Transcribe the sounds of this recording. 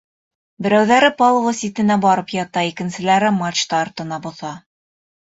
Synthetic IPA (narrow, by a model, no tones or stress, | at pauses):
bɘ̆ɾæwðæɾɘpolˠvɤsit̪ɘ̆næbɑɾɤpjɑt̪ɑikɘ̆nsɘ̆læɾɘmɑt͡ɕt̪ɑːɾt̪ɤ̆nɑbŏθɑ